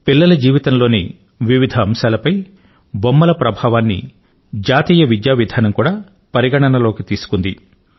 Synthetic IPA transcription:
pilːɐlɐd͡ʒiːʋit̪ɐnlo̞ːnḭ | ʋiʋid̪ʱɐːmʃaːlɐpɐj | bomːɐlɐpɾɐbʱaːʋaːnːḭ | d͡ʒaːt̪iːjɐʋid̪jaːʋid̪ʱaːnɐmkuːɽaː | pɐɾiɡɐɳɐnɐlo̞ːkit̪iːsu̥kund̪i

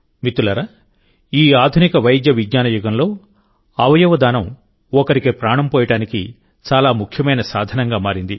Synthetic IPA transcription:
mit̪ːulɐɾɐ | iːaːd̪ʱunikɐʋɐjd̪jɐʋiɡɲaːnɐjuɡɐmlo̞ː | ɐʋɐjɐʋɐd̪aːnɐm | ɔkɐɾikeːpɾaːɳɐmpɔːjɐʈaːnikḭ | t͡ʃaːlaːmukʰjɐmɐjnɐsaːd̪ʱɐnɐŋɡaːmaːɾind̪i

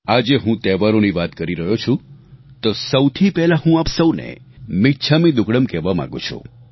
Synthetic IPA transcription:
ad͡ʒeɦũt̪ɛʋaɾoniʋat̪kəɾiɾəɦjot͡ʃʰũt̪osəwt̪ʰipɛɦlaɦũapsəwnḛ | mɪtt͡ʃʰamĩd̪ʊkɽəmkɛʋamã̰ɡṵ̃t͡ʃʰṵ̃

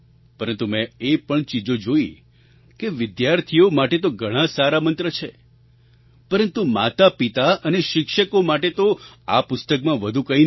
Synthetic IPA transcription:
pəɾənt̪umɛ̃epəɳt͡ʃid͡ʒod͡ʒoi | keʋɪd̪jaɾt̪ʰijomaʈet̪oɡʱəɽ̃ãsaɾamənt̪ɾət͡ʃʰe | pəɾənt̪umat̪apit̪aəneʃɪkʃəkomaʈet̪oa̰pʊst̪əkmãʋəd̪ʱukəɦin

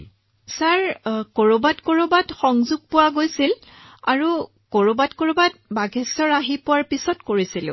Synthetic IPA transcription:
saɹkoɹobatkoɹobatxɔŋzuɡ̚pʊwaɡojsil | aɹu | koɹobatkoɹobat̚baɡʱɛsɔɹaɦipʊwaɹpisɔtkoɹisil̰

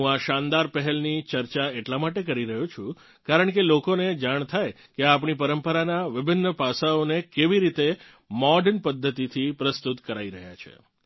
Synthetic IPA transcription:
ɦũaʃãnd̪aɾpəɦɛlnit͡ʃəɾt͡ʃaeʈlamaʈek̬əɾiɾəɦũt͡ʃʰũ | kaɾəɳkelokoned͡ʒaɳ̃t̪ʰaj | keapɳipəɾəmpəɾanaʋɪbʱɪnːəpasaonekeʋiɾit̪e | mɔɖənpəd̪ʱːət̪it̪ʰipɾəst̪ut̪kəɾaiɾəɦja̰t͡ʃʰḛ

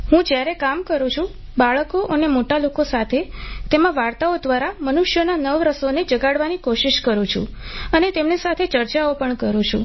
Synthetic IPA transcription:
ɦũd͡ʒjaɾekamkəɾũt͡ʃʰũ | baɭkoʔənemoʈalokosat̪ʰet̪emãʋaɾt̪aod̪ʋaɾamənuʃjənanəʋɾəsoned͡ʒəɡaɽʋanikoʃiʃkəɾũt͡ʃʰṵ̃ənet̪emnesat̪ʰet͡ʃəɾt͡ʃaopəɳkəɾũt͡ʃʰṵ̃

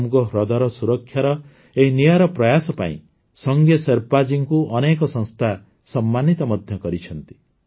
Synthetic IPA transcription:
mɡɔɦɾɔd̪aɾɔsuɾɔkʰːjaɾɔ | eɦinijaɾɔpɾɔjasɔpa̰ḭ̃ | sɔŋɡjɔseɾpad͡ʒiŋkuʔɔnek̬ɔsɔ̃ŋst̪ʰa | sɔmːanit̪ɔmɔd̪ʱjɔkɔɾit͡ʃʰɔnt̪i̥

